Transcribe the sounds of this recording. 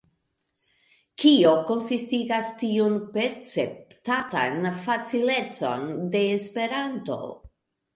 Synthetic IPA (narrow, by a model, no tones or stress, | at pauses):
kio̞ko̞nsistiɡastiunpe̞ɾt͡septata̰nfat͡sile̞t͡so̞̰nde̞ːspe̞ɾanto̞̰